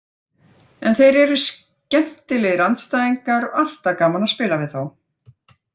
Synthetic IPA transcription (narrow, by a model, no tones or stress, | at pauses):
ɛnθejɾɛɾʏs | cɛm̥t̪ɪlɛɣɾant̪st̪aːjiŋkaɾɔal̥t̪akaːmanaspɪːlavɪðθaw